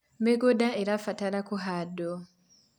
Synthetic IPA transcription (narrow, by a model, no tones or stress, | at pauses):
meɡodaeɾafatalakuɦado